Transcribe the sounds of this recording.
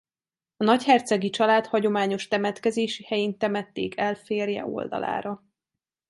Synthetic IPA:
ɒnɒchɛrt̪sɛɡit͡ʃɒlaːt̪hɒɟo̞maːɲo̞ʃt̪ɛmɛt̪kɛzeːʃihɛjint̪ɛmɛt̪ːeːkʰɛlfeːrjɛ̰o̞̰ld̪ɒ̰la̰ːɾɒ

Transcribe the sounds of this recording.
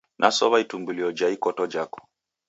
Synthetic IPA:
nʔasɔβaitumbuliɔd͡ʒaikɔtɔd͡ʒakɔ̥

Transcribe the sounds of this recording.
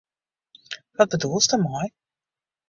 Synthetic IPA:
ʋɑd̚bədulˠsdɔmaj

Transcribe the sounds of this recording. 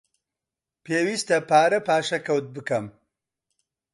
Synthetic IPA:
peːwist̪ɐpaːɾɐpaːʃɐkɐwt̪̚bɨkɐm

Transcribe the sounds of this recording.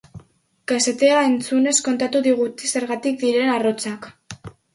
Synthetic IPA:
kase̞t̪e̞ae̞nt͡sune̞sko̞nt̪at̪uðiɣ̞ut̪ise̞ɾɣat̪ik̚d̪iɾe̞naro̞t͡sak

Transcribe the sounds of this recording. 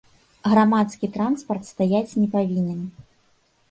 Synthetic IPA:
ɣɾamat̪skʲit̪ɾanspɐrt̪st̪ajat͡sʲnʲɛpavʲinʲɛn

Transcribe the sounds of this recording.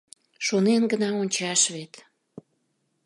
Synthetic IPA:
ʃonenɡənɑonʲt͡ɕɑʃβet̪

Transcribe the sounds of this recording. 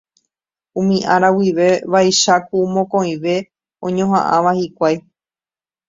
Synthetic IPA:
ũmĩʔaɾawiʋe̞ʋajʃakumõkõ̞ĩʋe̞ | õɲõɦãʔãʋahikʷaj

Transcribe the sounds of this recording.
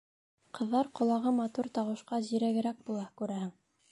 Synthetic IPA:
qɤ̆ðːɑɾqŏlˠɑʁɤmɑt̪uɾt̪ɑwɤ̆ʃqɑʑiɾæɡɘ̆ɾæk̚bulˠɑkʉɾæhɘŋ

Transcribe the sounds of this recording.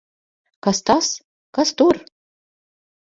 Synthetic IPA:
kast̪as | kast̪ur

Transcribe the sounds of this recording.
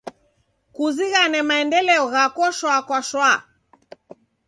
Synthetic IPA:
kuziɣanɛmaɛndɛlɛɔɣakɔʃwakwaʃwa

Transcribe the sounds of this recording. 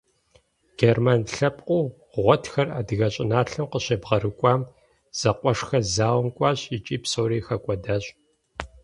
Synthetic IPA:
ɡ̥eːrmaːnɬɐpʼqʷʼʊː | ʁʷɔtʰxɐra̰ːdɨɣɐɕʼɪnaːɬɨmqəɕebʁɐɾɨkʷʼɑːm | z̥ɐqʷʼɔʂxɐzaːwmkʷʼɑːɕit͡ʃʼiːpsoːɾiːxɐkʷʼɔdaːɕʼ

